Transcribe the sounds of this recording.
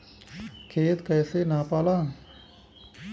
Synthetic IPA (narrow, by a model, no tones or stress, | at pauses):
kʰeːt̪kɛːsenapaːlãː